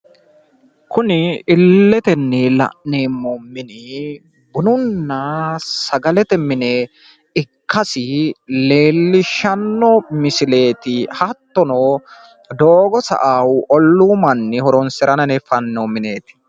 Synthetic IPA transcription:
kʊnɪɪlːɛt̪ɛnːɛlɐ̰ʔneːmːomːɪnɪ | bʊnʊnːɐsɐɡɐlɛt̪ɛmɪne | ɪkːɐsɪle̞ːlːɪʃɐnːɔmɪsɪle̞ːt̪ɪhɐt̪ːɔnoː | d̪oːɡɔsɐ̰ʔaːwʔɔlːuːmɐnːɪhɔɾɔnsɛɾɐnɐnɛfɐnːoːmɪne̞ːt̪ɪ̥

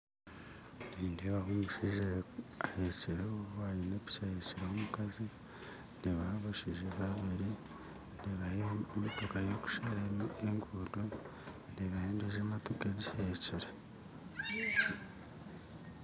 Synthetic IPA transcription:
niːndeβaɦomuʃiʒeaheceɾoβuβwaːjeneβi̥t͡ʃaheceɾeomukazi | niβaaβaʃiʒeβaβiɾi | niβajemotokajoku̥ʃaɾaeŋɡudo | niβaheːndeʒematokeɟiheceɾe

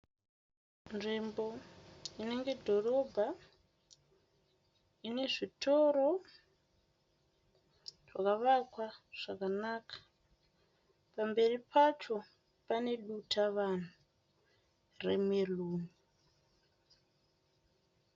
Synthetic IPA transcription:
nʐimbo̞ine̞ŋɡe̞dʱo̞ro̞bʱa | ine̞ʐitʰo̞ɾo̞ | ʐakaʋakwaʐ̥akanakʰḁ | pambe̞ripat͡ʃo̞ | pane̞ɗutʰaʋan̤u | rḛmeluːni

